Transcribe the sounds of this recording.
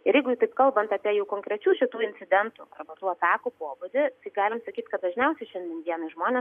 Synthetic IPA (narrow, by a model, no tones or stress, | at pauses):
ɪɾjɛɪɡʊjt̪ɐɪpkɐlˠbɐnt̪ɑpʲiɛjɛʊkoːŋkɾʲɛt͡ʃʲuːʃʲɪt̪uːɪnʲt͡sʲɪd̪ʲɛnt̪uɐrbɐt̪uːɐt̪ɑːkupoːbʊd̪ʲɪt̪ɐɪɡɑːlʲɪmsɐkʲiːt̪ʲkɐt̪̚d̪ɐʒʲnʲɛʊsʲɛɪʃʲɛnʲd̪ʲɛnʋʲiɛnɐʒmoːnʲeːs